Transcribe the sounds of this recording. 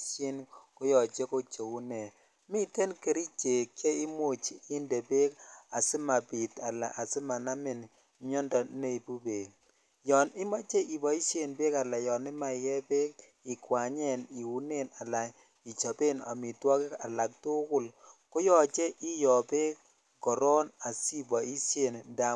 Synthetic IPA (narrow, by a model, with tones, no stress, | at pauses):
ʃe˦nko˦jɔ˨t͡ʃe˦ko˦t͡ʃo˨wu˦nɛ˨ | mi˦te˦nke˦ɾi˦t͡ʃe˨kːe˦i˦mo˦˨t͡ʃi˨i˦nde˨be˦ka̰˨sɪ˦ma˨pi˨ta˨la̰˨ʔa˨sɪ˦ma˨na˦mɪ˨n | ɲɔ˦ndɔ˨ne˦˨i˨bu˦be˨ | jɔ˨nɪ˦ma˦t͡ʃe˦ʔi˨bɔ˨i˦se˦˨nbe˦ka˨la˨jɔ˨nɪ˦ma˨ɪkɛ˦be˦k | i˨kwa˨ɲɛ˦˨ni˨u˨ne˦˨na˨la˨ | i˨t͡ʃa˨be˦na̰˨mi˨twɔ˦kɪ˦a˨la˨k̚tʊ˦kʊ˦˨lko˦jɔ˨t͡ʃe˦ʔi˦jɔ˨pe˦k | kːɔ˨ɾɔ˦na˨si˦bɔ˨i˦sje˨nnda˨